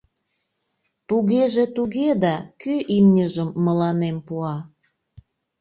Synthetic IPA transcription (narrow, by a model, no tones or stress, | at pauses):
t̪uɣeʒet̪uɣed̪ɑkyʔimnʲəʒəmːəlɑnempuɑ